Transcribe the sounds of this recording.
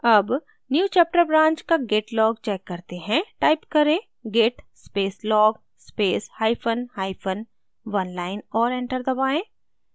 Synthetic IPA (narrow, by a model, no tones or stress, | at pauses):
ɐb | njuːt͡ʃɛːp̚ʈəɾbɾãːɲt͡ʃkaɡeːʈlɔːɡ̚t͡ʃɛːkːɐɾt̪eɦɛ̃ʈaːɪpkɐɾẽː | ɡeːʈspeːslɔːɡ | speːshaːɪpʰənhaːɪpʰən | ʋɐnlaːɪnɔːɾɛ̃ːɳʈəɾd̪ɐbaːẽː